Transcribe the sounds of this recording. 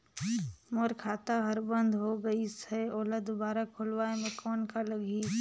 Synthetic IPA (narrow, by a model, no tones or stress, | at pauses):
moɾkʰaːt̪aɦəɾbə̃nd̪ʱɦoɡəisɛoːləd̪obaːɾakʰʊlʋaːemẽkɔːnkaləɡʱi